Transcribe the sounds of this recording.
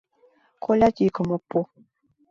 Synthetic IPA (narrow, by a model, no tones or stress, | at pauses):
kʰolat͡ʃikomɔpo